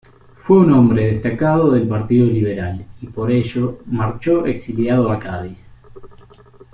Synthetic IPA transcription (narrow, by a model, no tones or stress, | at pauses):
fwe̞uno̞mbɾeðest̪akaðoðe̞lpaɾt̪iðoliβe̞ɾalipo̞ɾeʒomaɾt͡ʃo̞ʔeksiljaðoakaðis